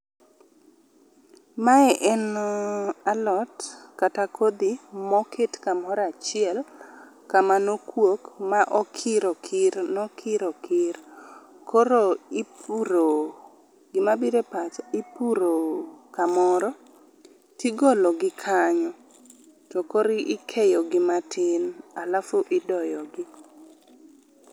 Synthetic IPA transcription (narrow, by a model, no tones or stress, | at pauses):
maɛʔɛnoalɔtkatakʰod̪imɔkʰetkamɔɾat͡ʃɪɛl | kamanokwokmaʔɔkʰɪɾɔkʰɪɾnɔkʰɪɾɔkɪɾ | kʰoɾoipuɾo | ɡɪmabiɾepat͡ʃɪpuɾokamɔɾɔ | tiɡolɔɡɪkʰaɲɔ | tɔkoɾɪʔɪkʰejɔɡɪmatʰɪnalafoʔɪdɔjɔɡɪ